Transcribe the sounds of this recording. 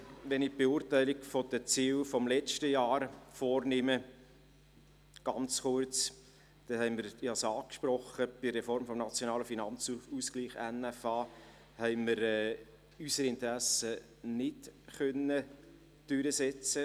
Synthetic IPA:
ʋɛnɪb̥euːrtæɪlikfodət͡siːlfɔmlɛt͡ʃtəjɑːɾfɔːɾnɪmə | ɡ̥ɑ̰nt͡sχʊɾt͡s | d̥ɛhɛɪmɪɾjɑsɑːkʃpɾɔχəb̥ɪrefɔɾmfɔmnɑt͡sjonɑːləfinɑnt͡suskliːχɛnæfɑː | hɛɪməɾɛ | ysəɾɪntəɾæsə | nɪtχœnːə | d̥ʏɾəsɛt͡sə

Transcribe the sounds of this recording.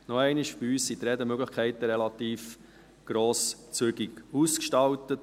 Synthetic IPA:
nɔɛɪniʃbiyːssit̪ɾɛdəmøɡləχkʰɛɪt̪əɾɛlɑt̪iːf | ɡ̥ɾoːst͡søɡiɡuskʃtɑwtət

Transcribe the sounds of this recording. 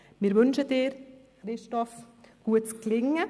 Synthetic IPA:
mɪɾʋʏnʃədɪːɾ | χɾɪʃtɔf | ɡ̥uətt͡sklɪŋə

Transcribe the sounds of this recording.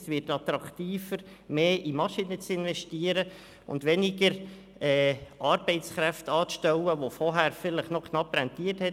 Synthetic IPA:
sʋɪrtɑt̪ɾɑktiːfəɾ | meːʔimɑʃinət͡sɪnvɛʃtiəɾə | ʊ̰ndʋɛnɪɡəɾ | ɛːʔɑɾbɛɪt͡skɾɛftɑːt͡sʃtɛwəʋofɔɦæːɾfɪləχnɔkʰnɑpɾɛntiːəthɛt

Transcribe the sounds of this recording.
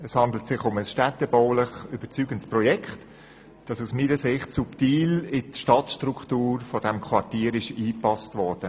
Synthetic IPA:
ɛshɑnd̪l̩tsɪχʊməsʃtætːəbɔʊləχyb̥əɾt͡syːɡəntsprɔjɛkχt | d̥ɑsusmiːɾəsɪχtsuptiːlɪtʃtɑtʃtɾukχtuːɾfɔd̥ɛmkʰvɑrtiːɾɪʃiːpɑstvɔɾd̥ə

